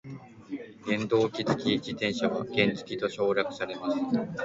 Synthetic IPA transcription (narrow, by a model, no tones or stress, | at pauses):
ɡẽ̞nd̪o̞ːkʲit͡sɨ̥kʲid͡ʑit̪ẽɰ̃ɕaβaɡ̥ẽ̞nt͡sɨ̥kʲit̪o̞ɕo̞ːɾʲakɯ̟̥saɾe̞masɨ̥